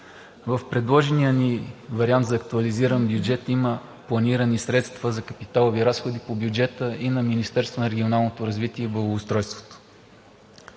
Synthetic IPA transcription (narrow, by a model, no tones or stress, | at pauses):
vəfpɾɛd̪lˠɔʒɛnijənivɐɾiant̪zɐːk̚t̪uɐliziɾənbjud͡ʒɛt̪imə | plˠɐniɾənisɾɛt̪st̪vəzɐkəpit̪alˠoviɾasxod̪ipobjud͡ʒɛt̪əinɐminist̪ɛɾst̪vonɐɾɛɡʲionalˠnot̪oɾɐzvit̪iɛibəvːst̪ɾɔjst̪vo̥t̪o̥